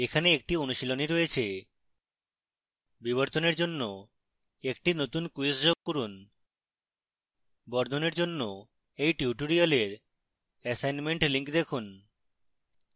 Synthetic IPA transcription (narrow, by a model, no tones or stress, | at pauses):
ekʰaneek̚ʈionuʃiloniɾojet͡ɕʰe | biβoɾt̪oneɾd͡ʑonːo | ekʈinot̪unkuesd͡ʑoɡ̚koɾun | bɔɾd̪ʱoneɾd͡ʑonːo | ejʈjuʈoɾialeɾ | ɛsajnmeɳʈliŋkd̪ekʰun